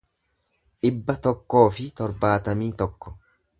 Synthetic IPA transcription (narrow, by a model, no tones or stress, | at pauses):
ʔɪbːɐt̪ɔkːo̞ːfɪt̪ɔɾbaːt̪ɐmiːt̪ɔkːɔ̥